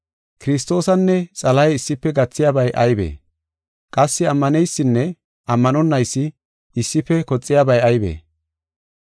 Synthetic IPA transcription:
kɪɾɪs̬t̪o̞ːsɐnːɛt͡sʼɐlɐjɪsːɪpːɛɡɐt͡sːɪjabɐjʔɐjbḛː | kʼɐsːɪɐmːɐnɛjsːɪnːɛ | ɐmːɐnɔnːɐjsːɪ | ɪsːɪpːɛkɔt͡sʼːɪjabɐjɐjbḛː

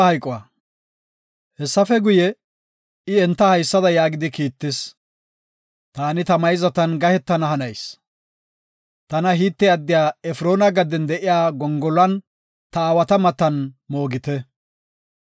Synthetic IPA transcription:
hɐjkʼɔwɐ̰ː | hɛsːɐfɛɡʊjɛ | ɪɛnt̪ːɐhɐjsːɐd̪ɐjaːɡɪd̪ɪkiːt̪ːɪs | t̪aːnɪt̪ɐmɐjzɐt̪ɐnɡɐhɛt̪ːɐnɐɦɐnɐjs | t̪ɐnɐɦiːt̪ːɛɐd̪ːɪjaːɛfɾoːnɐɡɐd̪ɛnd̪ɛʔɪjaːɡɔŋɡɔlɐn | t̪ɐaːwɐt̪ɐmɐt̪ːɐnmo̞ːɡɪt̪ɛ

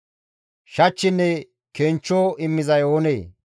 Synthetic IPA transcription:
ʃɐt͡ʃːɪnːɛ | keːnt͡ʃːoːɪmːɪzɐjoːneː

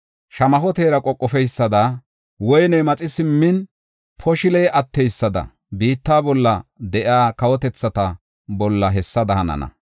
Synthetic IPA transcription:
ʃɐmɐɦɔt̪eːɾɐkʼɔkʼːɔfɛjsːɐd̪a | wɔjnɛmɐt͡sʼɪsɪmːɪn | pʰɔʃɪlɛjɐt̪ːɛjsːɐd̪ɐ̰ | biːt̪ːaːbɔlːɐd̪ɛʔaːkɐwɔt̪ɛt͡sːɐt̪ɐ | bɔlːɐɦɛsːɐd̪ɐhɐnɐ̰nɐ̰

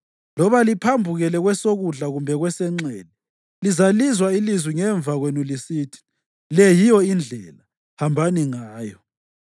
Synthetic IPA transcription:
lɔβalipʰambʱuɣɛlɛɣwɛsoɣuɮaɣumbʱɛɣwɛsɛŋ͡ǀeːni | lizalizwailizwiŋɛɱb̪vaɣwenulisiːtʰi̥ | lɛjijɔind͡ɮʱɛla | hambʱaniŋaːjɔ

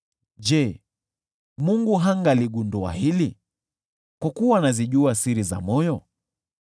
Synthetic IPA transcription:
d͡ʒɛ | muŋɡuɦaŋɡaliɡundua̰hili | kwakuwanaziʄuasiɾiza̰mɔjɔ

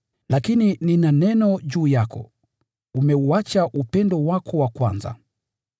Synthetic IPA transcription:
lakinininanɛnɔʄuːjakʰɔ̰ | umɛuat͡ʃaʔupɛndɔwakʰɔwakwa̰nza̰

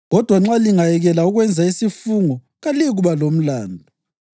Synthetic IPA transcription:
ɣɔd̥ʱwaŋ͡ǁaliŋajɛɣɛlauɣwɛnd͡zʱaisifuŋɔ | ɣaliɣuβalom̩laːndʱɔ

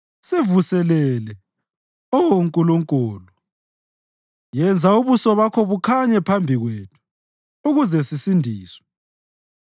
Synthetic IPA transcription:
sevusɛlɛlɛ | ɔwoŋkʼuluŋkʼuːlu | jɛnd͡zʱauβusɔβakʰɔβukʰaɲɛpʰambʱiɣwetʰu̥ | uɣuzɛsisindʱiːswɛ̥

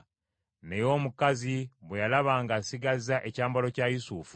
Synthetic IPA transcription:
ne̞jo̞ːmukaziβwejalaβaːŋɡasiɡazaʔecaːmbalo̞cajusufu̥

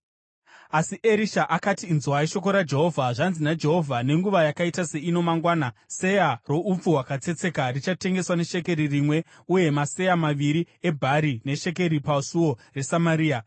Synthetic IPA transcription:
asiʔe̞ɾiʃaʔakatiːnzwaiʃo̞k̬oɾad͡ʒe̞ɦo̞vʱaʐanzinad͡ʒe̞ɦo̞vʱane̞ŋɡuʋajakaitase̞ino̞maŋɡwaːnase̞jaro̞up͡fuwakat͡se̞t͡se̞karit͡ʃate̞ŋɡe̞swane̞ʃe̞ke̞ɾirimwe̞ | uje̞mase̞jamaʋiɾi | e̞bʱaɾine̞ʃe̞k̬e̞ɾipasuwo̞resamaɾiːa

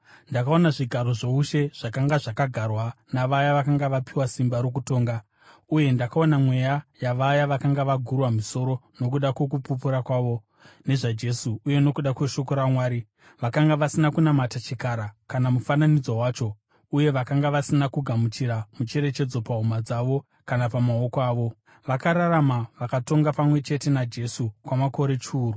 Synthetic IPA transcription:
ndakao̞naʐiɡʱaɾo̞ʐouʃe̞ʐ̥akaŋɡaʐakaɡʱarwanaʋajaʋakaŋɡaʋapiwasimbaɾok̬uto̞ːŋɡa | uje̞ndakao̞namwe̞jajaʋajaʋakaŋɡaʋaɡʱurwamuso̞ɾo̞no̞k̬uɗakwekupupuɾakwaːʋo̞ | ne̞ʐad͡ʒe̞suːje̞no̞kuɗakwe̞ʃo̞koɾamwaːɾi | ʋakaŋɡaʋasinakunamatat͡ʃikaɾakanamufananid͡zowaːt͡ʃo̞ | uje̞ʋakaŋɡaʋasinakuɡʱamut͡ʃiɾamut͡ʃe̞ɾe̞t͡ʃe̞d͡zo̞paɦumad͡zaʋo̞ | kanapamao̞koaːʋo̞ | ʋakaɾaɾamaʋakato̞ŋɡapamwe̞t͡ʃe̞te̞nad͡ʒe̞sukwamako̞ɾe̞t͡ʃuːru

